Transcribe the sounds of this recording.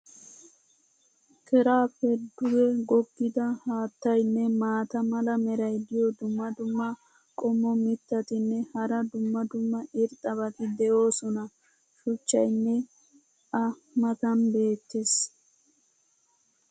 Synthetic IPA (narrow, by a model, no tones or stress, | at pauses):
kɛɾaːpɛɾd̪ʊɡɛɡɔɡːɪd̪ɐhaːt̪ːɐjnːɛmaːt̪ɐmɐlɐmɛɾɐjd̪ɪjɔd̪ʊmːɐd̪ʊmːɐ | kʼɔmːɔmɪt̪ːɐt̪ɪnːɛhɐɾɐd̪ʊmːɐd̪ʊmːɐʔɪɾt̪ʼːɐβɐt̪ɪd̪ɛʔo̞ːsɔnɐ | ʃʊt͡ʃːɐjnːɛ | ɐ | mɐt̪ɐnbe̞ːt̪ːes